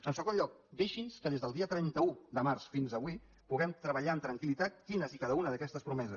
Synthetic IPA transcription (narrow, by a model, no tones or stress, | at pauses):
ənsəɣonʎɔk̚d̪eʃinskəðezðəlˠd̪iət̪ɾɛnt̪əud̪əmaɾsfinzəβwi | puɣɛmt̪ɾəβəʎaənt̪ɾəŋkilit̪at̪̚kinəzikaðəunəðəkɛst̪əspɾumɛzə